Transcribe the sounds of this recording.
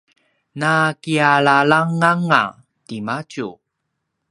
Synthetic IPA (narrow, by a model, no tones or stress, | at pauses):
nakiaɭalaŋaŋa̰ | timacu